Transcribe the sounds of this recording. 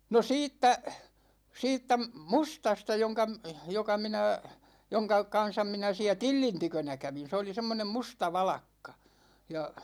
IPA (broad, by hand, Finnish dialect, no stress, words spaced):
no siːtːæ siːtːæ mustɑstɑ joŋkɑ jokɑ minæ joŋkɑ kɑn̞sɑm minæ siæ tilːin tykønæ kæʋin̞ se oli semːonem mustɑ ʋɑlɑkːɑ jɑ